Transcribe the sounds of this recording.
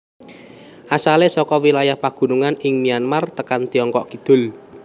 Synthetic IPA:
ʔasalesɔkɔwilajahpaɡ̥ṳnuŋanɪŋmianmart̪əkant̪iɔŋkɔʔkid̪̥ʊ̤l

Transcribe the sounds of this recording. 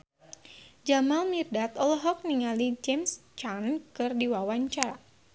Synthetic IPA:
d͡ʒamalmirdat̪ɔlɔɦɔk̚niŋalid͡ʒɛmst͡ʃankɨrdiwawaɲt͡ʃaɾa

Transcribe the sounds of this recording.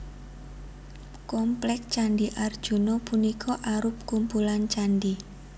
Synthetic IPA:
kɔmplɛk̚t͡ʃanɖiʔard̥ʒ̥ṳnopunikʰɔʔaɾʊp̚kumpulant͡ʃanɖi

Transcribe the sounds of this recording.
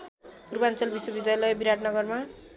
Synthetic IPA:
puɾupant͡sʌlbiswʌbid̪jajlʌjbiɾaʈnʌɡʌrma

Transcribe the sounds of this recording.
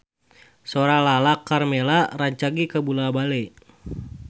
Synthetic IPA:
soɾalalakarmɛlaraɲt͡ʃaɡikabulabalɛ

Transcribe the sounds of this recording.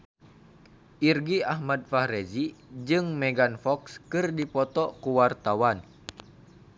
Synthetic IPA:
ʔirɡiahmad̚fahred͡ʒid͡ʒɨŋmɛɡanfɔkskɨrdipɔt̪ɔkuwart̪awan

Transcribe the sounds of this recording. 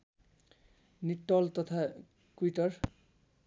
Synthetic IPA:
niʈːʌlt̪ʌt̪ʰa | kuitʌr

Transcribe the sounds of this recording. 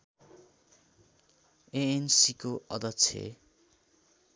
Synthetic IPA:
eensikoʔʌ̰d̪ʌtt͡sʰḛ

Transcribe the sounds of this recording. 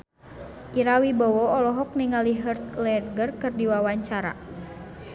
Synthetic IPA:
ʔiɾawibɔwɔɔlɔɦɔk̚niŋaliɦərt̪lɛrɡərkɨrdiwawaɲt͡ʃaɾa̰

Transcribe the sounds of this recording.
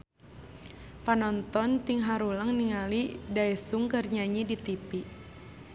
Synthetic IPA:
panɔnt̪ɔnt̪iŋɦaɾuləŋniŋalidaɛsuŋkərɲaɲidit̪ipiʔ

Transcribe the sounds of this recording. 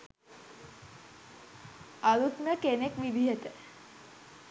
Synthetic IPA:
alut̪mjəkenekʋid̪ʱiɦet̪e

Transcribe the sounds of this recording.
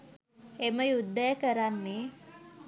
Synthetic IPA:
eməjud̪ːəjəkəɾanːe

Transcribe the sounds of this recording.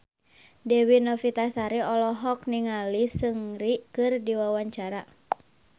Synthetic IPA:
dɛwinɔfit̪asaɾiɔlɔɦɔk̚niŋalisɨŋɾikɨrdiwawaɲt͡ʃaɾa

